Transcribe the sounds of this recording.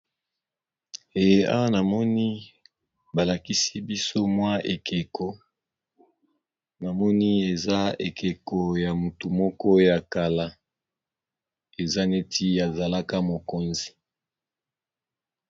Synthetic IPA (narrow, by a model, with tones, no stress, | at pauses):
e˨je˦ʔa̰˦wa˦na˨mɔ˦ni˦ | ba˨la˨ki˦si˦bi˦so˦mwa˦ʔe˨ke˨kʰo˨ | na˨mɔ˦ni˦e˨za˦e˨ke˨ko˨ja˨mu˨tu˨mɔ˦kɔ˦ja˨ka˨la˦ | e˨za˦ne˦ti˦ja˨za˨la˦ka˦mo˨ko˦nzi˨